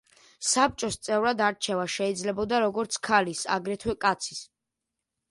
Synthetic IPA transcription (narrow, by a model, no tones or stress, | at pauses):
sap̚t͡ʃʼɔst̪sʼɛvɾad̪aɾt͡ʃʰɛvaʃɛid̪zlɛbɔd̪aɾɔɡɔɾt̪sʰkʰalisa̰ɡɾɛt̪ʰwɛkʼat̪sʰi̥s